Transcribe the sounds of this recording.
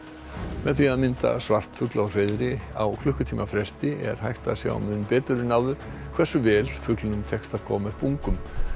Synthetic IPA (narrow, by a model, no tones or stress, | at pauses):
mɛðθiaðmɪnt̪a̰svar̥t̪fʏklawr̥ejðɾɪawkʰlʏhkʏt̪ʰiːmafɾɛst̪ɪʔɛ̰ɾ̥hajht̪asja̰a̰mʏnpɛːt̪ʏɾɪnawðʏɾ̥ | kʰv̥ɛsʏvɛːlfʏklʏnʏmt̪ʰɛkst̪av̥kʰɔ̰ːmaðpuŋkʏm